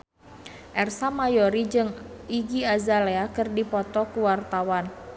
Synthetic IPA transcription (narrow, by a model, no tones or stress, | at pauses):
ʔɛrsamajɔɾid͡ʒɨŋiɡiazaleakɨrdipɔt̪ɔkuwart̪awan